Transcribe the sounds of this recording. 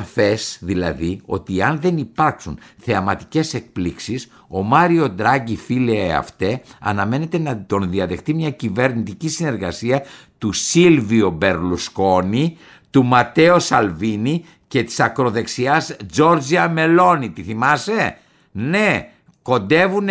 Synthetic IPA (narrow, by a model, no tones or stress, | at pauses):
fe̞sðilɐ̰ðio̞̰t̪iɐnðe̞nipɐɾksunθe̞ɐmɐt̪i̥ce̞se̞k̚pliksis | o̞mɐɾio̞d̪ɾɐɟifileeɐ̰ft̪e̞ɐ̰nɐme̞ne̞t̪e̞nɐt̪o̞nðiɐðe̞xt̪imɲɐcive̞ɾnit̪icisine̞ɾɣɐsiɐ | t̪usilviobe̞ɾlusko̞ni | t̪umɐt̪e̞o̞sɐlvini | cet̪i̥sɐkɾo̞ðe̞ksiɐzd͡ʒo̞ɾd͡ziɐme̞lo̞nit̪iθimɐse̞ | ne̞ | ko̞nd̪e̞vun